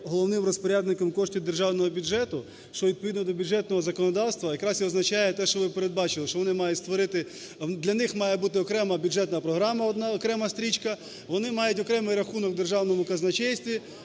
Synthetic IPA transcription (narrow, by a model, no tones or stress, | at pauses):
ɦɔlˠɔwnɪmrɔspɔɾʲad̪nɪkɔmkɔʃtʲid̪e̞rʒɑwnɔɦɔbʲud͡ʒɛt̪ʊ | ʃt͡ʃɔʋʲid̪̚pɔʋʲid̪nɔd̪ɔbʲʊd͡ʒɛt̪nɔɦɔzɐkɔnɔd̪ɑwst̪ʋɐjɐkɾɑsjiɔznɐt͡ʃɑjɛt̪ɛʃt͡ʃɔʋɪpeɾed̪̚bɑt͡ʃɪlˠɪʃt͡ʃɔʋɔnɪmɑjʊtʲst̪ʋɔɾɪt̪ɪ | d̪lʲɐnɪxmɑjɛbut̪ɪɔkɾɛmɐbʲʊd͡ʒɛt̪nɐpɾɔɦɾɑmɐɔd̪nɑɔkɾɛmɐst̪ɾʲit͡ʃkɐ | ʋɔnɪmɑjʊtʲɔkɾɛmɪjrɐxunɔɡd̪erʒɑwnɔmʊkɐznɐt͡ʃɛjsʲt̪ʲʋʲi